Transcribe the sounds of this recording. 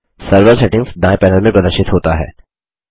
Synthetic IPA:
sɐɾʋəɾseʈɪ̃ŋɡzɖ̪aːjpɛːnəlmẽpɐd̪əɾʃɪt̪ɦoːt̪aɦɛ̰ː

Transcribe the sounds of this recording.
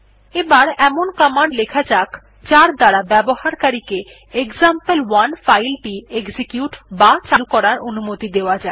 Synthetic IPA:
ebaɾɛmonkamaɳɖlekʰat͡ɕakʰ | t͡ɕaɾd̪aɽabɛbohaɾkaɾike | ekzampelwanfajlʈieɡd͡ʑikjuʈbat͡ɕalkɔɾaɾonumot̪id̪eoad͡ʑae

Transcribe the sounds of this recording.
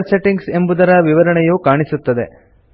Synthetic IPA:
ɾseʈiŋɡse̞mbud̪ɐɾɐʋiʋɐɾɐɳɛjuːkaːɳisut̪ːɐd̪e̞

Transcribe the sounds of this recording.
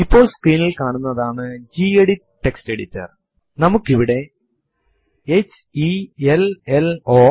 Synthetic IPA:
ipːo̞ːɭskriːnilkaːɳunːɐðaːɳɨd͡ʑiːeɽi | ʈːekste̞ɽitːɐ̰r | nɐmukːiʋiɽe̞ | et͡ɕːieleloː

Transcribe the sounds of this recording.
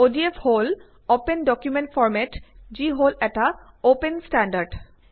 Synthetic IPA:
odiefʰhol | opendɔkjumẽntfʰɔɹmɛtziɦolɛta | openstandaɹɖ

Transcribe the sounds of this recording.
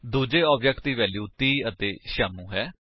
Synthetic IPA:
d̪uːd͡ʒeːɔːbd͡ʒɛk̚ʈ̚d̪iːʋɛːljuːt̪iːət̪eːʃaːmũːɦɛː

